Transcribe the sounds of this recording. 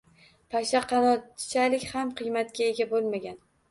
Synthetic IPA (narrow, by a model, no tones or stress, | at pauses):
pʰaʃaqʰɑnɒt͡ʃʰalɪkʲhamqʰɨjmat̪kʲaeɡʲabolˠmaɡʲan